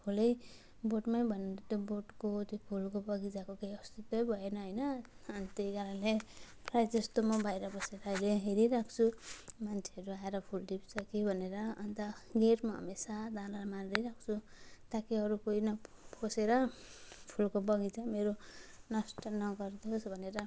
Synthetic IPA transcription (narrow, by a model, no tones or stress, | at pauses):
pʰulʌj | boʈmajbʱʌneɾʌt̪joboʈkot̪opʰulkobʌɡid͡zakokejʌst̪it̪wʌjbʱʌenʌɦʌjnʌʌnt̪eɡaɾale | prajd͡zʌst̪omabajɾʌbʌseɾʌɦʌjleɦeɾiɾakʰt͡sʰumant͡sʰeʌɾuaeɾʌpʰuld̪ipt͡sʰʌkibʱʌneɾʌːnt̪ʌɡeɾmaʌ̰mesad̪alaɾmaɾiɾakʰt͡sʰu | t̪akiʌɾukoinʌpʰoseɾʌpʰulkobʌɡit͡sʰʌmeɾonʌsʈʌnʌɡʌrd̪osbʱʌneɾʌ